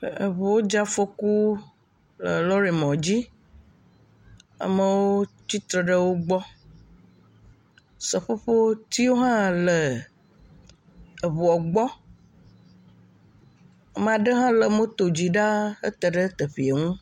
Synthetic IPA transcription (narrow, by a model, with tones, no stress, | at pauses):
ə˨βu˨wo˦d͡ʒa˦fo˦ku˦ | lə˨lɔ˦ɾi˨mɔ̃˨d͡ʑi˦ | a̰˨mə˦wo˦t͡ɕi˦t̪ɾə˨ɖə˦wo˦ɡ͡bɔ˦ | sə˨ɸo˦ɸo˦t̪i˦wo˦ɦã˦lə˨ | ə˨βu˨ɔ˨ɡ͡bɔ˦˨ | m˨a˨ɖə˦ɦã˦lə˨mõ˦t̪o˨d͡ʑi˨ɖa˦ə̰˦t̪ə˨ɖə˦t̪ə˨ɸi˨e˨ŋũ˦